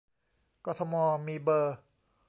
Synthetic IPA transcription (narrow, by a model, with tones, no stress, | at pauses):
kɔː˧t̪ʰɔ˧mɔː˧miː˧bɤː˧